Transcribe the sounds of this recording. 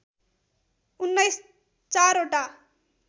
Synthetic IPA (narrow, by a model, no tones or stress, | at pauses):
unːɐjs | t͡ʃaːɾoʈa